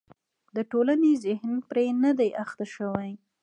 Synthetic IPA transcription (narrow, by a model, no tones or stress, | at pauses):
d̪əʈolanezɪhnpɾenad̪ajʔaxt̪aʃəwaj